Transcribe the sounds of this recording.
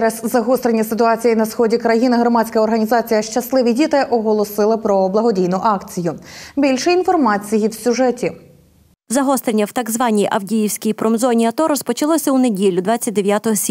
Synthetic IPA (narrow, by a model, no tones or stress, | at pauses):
ɾɛzzɐɦɔst̪ɾenʲːɐsɪt̪ʊɑt͡sʲijinɐsxɔdʲikɾɐjinɪɦɾɔmɑt͡sʲkɐɔrɦɐnʲizɑt͡sʲijɐʃt͡ʃɐslˠɪʋʲidʲit̪ɪʔɔɦɔlˠɔsɪlˠɪpɾɔblˠɐɦɔdʲijnʊʔɑkt͡sʲijʊbʲilʲʃɛinfɔrmɑt͡sʲijiwsʲʊʒɛtʲi | zɐɦɔst̪ɾenʲːɐwt̪ɑɡzʋɑnʲijʔɐwdʲijiwsʲkʲijpɾɔmzɔnʲiɐt̪ɔɾɔspɔt͡ʃɐlˠɔsʲɐune̞dʲilʲːʊd̪ʋɑt͡sʲːɐt̚ʲd̪eʋjat̪ɔɦɔsʲ